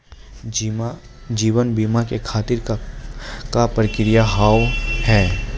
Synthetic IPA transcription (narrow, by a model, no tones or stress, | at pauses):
d͡ʒiːʋənbiːmakekʰaːt̪ɪɾ | kapɾəkɪɾɪjaɦaːwhɛː